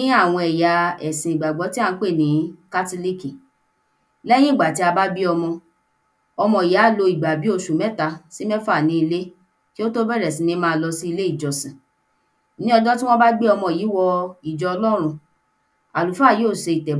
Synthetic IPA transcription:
ĩ˦a˦˨w̃ɔ̃˧ɛ˨ja˨ɛ˨sĩ˨i˨ɡ͡ba˨ɡ͡bɔ˨˦ti˦a˦˧n̩˦k͡pe˦˨nĩ˨˦ka˦to˦li˦ki˨ | lɛ˦j̃ĩ˦˨ɡ͡ba˨ti˧˦a˧ba˦bi˦ɔ˧mɔ̃˧ | ɔ˧mɔ̃˧˨i˨ja˨˦˨lo˧i˨ɡ͡ba˨bi˨˦o˧ʃu˨mɛ̃˦ta˧si˦mɛ̃˦fa˦˨nĩ˧˦i˧le˦ | ki˦o˦to˦bɛ˦ɾɛ˨sĩ˨nĩ˦mãː˦˧lɔ˧si˦i˧le˦i˦˨d͡ʒɔ˨sĩ˨ | nĩ˦ɔ˧dɔ˦ti˦w̃ɔ̃˦ba˦ɡ͡bi˦ɔ˧mɔ̃˧˨ji˨˦wɔ˧i˨d͡ʒɔ˧ɔ˧lɔ˦ɾ̃ũ˧ | a˨lu˨fa˦˨joː˦˨ʃe˧i˨tɛ˨

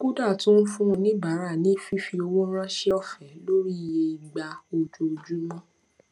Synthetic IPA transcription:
ku˦da˦˨tũ˦n̩˦fũ˦˧nĩ˦ba˨˦ɾa˦˨nĩ˨˦˨fi˦fi˧o˧wo˦ɾ̃ã˦ʃɛ˦ɔ˦˨fɛ˨˦lo˦ɾi˦i˨je˧i˨ɡ͡ba˧o˧d͡ʒo˧d͡ʒu˦mɔ̃˦

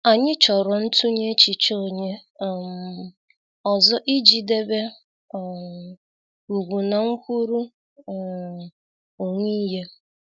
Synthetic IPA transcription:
a˨ɲɪ˦t͡ʃɔ˨ɾɔ˨n̩˦tʰu˦ɲe˦t͡ʃi˨t͡ʃo˦˨ɲe˦˨m | ɔ˨zɔ˦ʔi˦d͡ʒi˨de˦be˦˨ | u˨ɡʷu˨na˨ŋ̩˦kʷu˦ɾu˦˨ | o˨ŋi˦ɦe˦

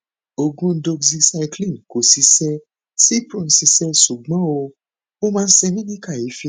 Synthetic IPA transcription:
o˧ɡũ˧˦do˧zi˧sa˧jklĩ˦˨n˨ko˨si˨˧sɛ˧ | si˦pɾĩ˦˨n̩˨si˧sɛ˧su˨ɡ͡bɔ̃˨˦o˧ | o˦mãː˦˧˦sɛ˧nĩ˦nĩ˦ka˦˨ji˨˦fi˧

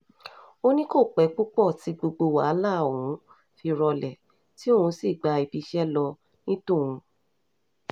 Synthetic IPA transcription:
o˦nĩ˦ko˦˨k͡pɛ˨˦k͡pu˦k͡pɔ˦˨ti˨˦ɡ͡bo˧ɡ͡bo˧wa̰˨˦la˦˨wũ˨˦ | fi˧ɾɔ˧lɛ˨ | ti˦o˦˨hũ˧si˦˨ɡ͡ba˧i˧bi˧ʃɛ˦lɔ˧ | nĩ˦tũ˦˨wũ˧

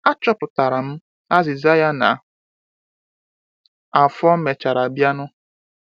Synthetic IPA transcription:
a˦t͡ʃɔ˦pʊ˨ta˨ɾa˨m̩˦ | a˦zɪ˨za˦ja˦na˨ | a˨fɔ˦m̩˦me˨t͡ʃa˨ɾa˨bja˦nʊ˦

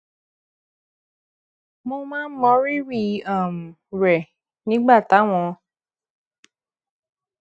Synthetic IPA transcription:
mo˧mãː˦n̩˦mɔ̃˨˦ɾi˦ɾi˦˧˨a˦˨m̩˨ | ɾɛ˨ | nĩ˦ɡ͡ba˦˨ta˨˦w̃ɔ̃˧

